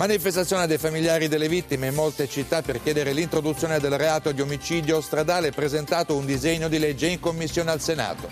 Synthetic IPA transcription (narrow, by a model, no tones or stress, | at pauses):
manifest̪at̪sːjoːned̪ejfamiljaːɾid̪elːevit̪ːimeimːolt̪et͡ʃit̪ːapːerkjɛːd̪eɾelint̪ɾod̪ut̪sːjoːned̪elreaːt̪od̪iomit͡ʃiːd̪jost̪ɾad̪aːlepɾezent̪aːt̪ound̪izeɲːod̪ilɛd͡ʒːeiŋkomːisːjoːnealsena̰ːt̪o